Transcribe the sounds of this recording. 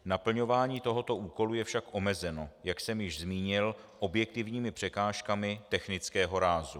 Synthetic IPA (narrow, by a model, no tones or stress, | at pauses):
napl̩ɲo̞vaːɲiːt̪o̞ɦo̞t̪o̞ʔuːko̞lujɛfʃakʔo̞mɛzɛno̞jaksɛmjɪʒzmiːɲɪl | ʔo̞bjɛk̚t̪ɪvɲiːmɪpr̝̥ɛkaːʃkamɪt̪ɛxnɪt͡skɛːɦo̞ɾaːzu